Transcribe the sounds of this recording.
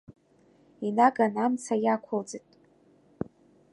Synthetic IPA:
inaɡanamt͡sʰajakʷʰold͡zɨtʼ

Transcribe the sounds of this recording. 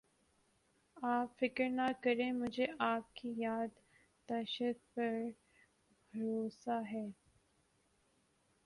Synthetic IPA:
aːpfɪkəɾnakɐɾẽmʊd͡ʒʱeʔaːp̚kijaːd̪ː | ɐʃəd̪̚pɐɾ | bʱɐɾoːsaɦɛː

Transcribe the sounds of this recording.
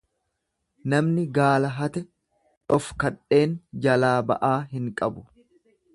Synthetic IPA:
nɐmnɪɡaːlɐɦɐt̪ɛ | ᶑɔfkɐᶑe̞ːnd͡ʒɐlaːbɐ̰ʔaːɦɪŋkʼɐbʊ̥

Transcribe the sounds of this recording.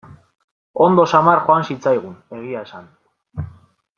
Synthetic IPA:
o̞nd̪o̞samaɾxoansit͡sajɣ̞une̞ɣ̞iae̞san

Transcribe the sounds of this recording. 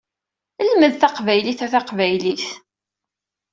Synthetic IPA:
əlməðθɑqvæjliθæθɑqvæjliθ

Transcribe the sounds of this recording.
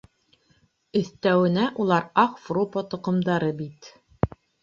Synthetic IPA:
ɵ̆θt̪æwɘ̆næʔulˠɑɾɑqfropət̪ŏqɤ̆md̪ɑɾɤbit̪

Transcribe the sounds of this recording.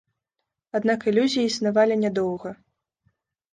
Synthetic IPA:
ad̪nakilʲuzʲijiisnavalʲinʲɛd̪ɔwɣɐ

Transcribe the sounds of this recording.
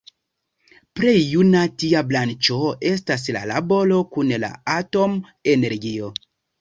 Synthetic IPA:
pɾejjunatiablant͡ʃo̞e̞s̬tas̬la̰la̰bo̞lo̞kunla̰ato̞m | e̞ne̞ɾɡio̞

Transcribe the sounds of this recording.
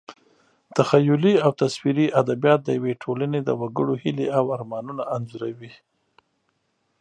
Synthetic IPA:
t̪axajʊliawt̪aswiɾiʔad̪abijɑt̪̚d̪əjaweʈʰolaned̪ə̰waɡəɽohɪleawaɾmɑnunaʔːnzuɾawi

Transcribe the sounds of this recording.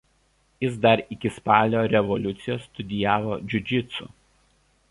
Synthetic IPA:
jɪsd̪ɐɾɪkʲɪspɑːlʲoːɾʲɛʋɔlʲʊt̪sʲɪjoːsːt̪ʊd̪ʲɪjæːʋoːd͡ʒʲʊd͡ʒʲɪt̪sṵˑ

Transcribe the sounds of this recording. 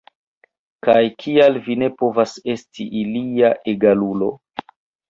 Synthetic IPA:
kajkʰialvine̞po̞vase̞stʰiʔiliaʔeɡalulo̞

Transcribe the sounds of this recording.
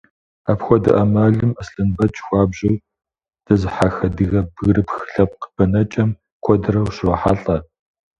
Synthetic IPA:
apxʷɔdɨ̰ʔɐmaːɮɨmɐsɬʼɨnbɐt͡ʃʼxʷɑːbʑɪw | d̥ɐzɨħaxɐdɨɣɐbɣrɨpxɬɐp̚qb̥ɐnɐt͡ʃʼɐm | kʷʰɔdɨɾɐwɕwɐħaɬʼɐ

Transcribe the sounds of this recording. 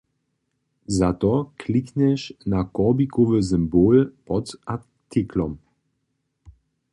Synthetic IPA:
zatɔkʰliknɛʃnakɔʁbikɔvəzɪmboːlpɔta | tʰikʰlɔm

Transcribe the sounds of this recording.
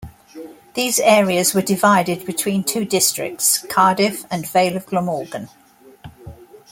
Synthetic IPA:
ðiːzɛːɹiəzwədɪvaɪdɪd̚bɪtʰw̥ĩːntʰʉːdɪstɹ̥ɪ̰k̚tskʰɑːdɪfə̃nveɪləvɡləmɔːɡə̃n

